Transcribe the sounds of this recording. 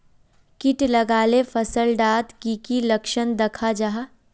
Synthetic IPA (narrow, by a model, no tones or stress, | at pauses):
kɪʈlɐɡaːlefʰɐsəlɖaːt̪kikilɐkʃənd̪ɐkʰad͡ʒaɦa